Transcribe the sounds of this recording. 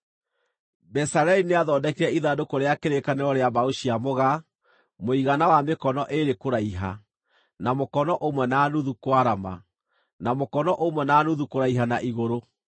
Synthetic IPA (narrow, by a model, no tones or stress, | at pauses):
bɛsaɾɛineaðɔːdɛkiɾɛiðadokoɾeakeɾekaneɾɔɾeabaoɕiamoɣa | moiɣanawamekɔnɔʔeɾekoɾaiɦa | namokɔnɔʔomwɛnaːnuðukwaɾama̰ | namokɔnɔʔomwɛnaːnuðukoɾaiɦanaʔiɣoɾo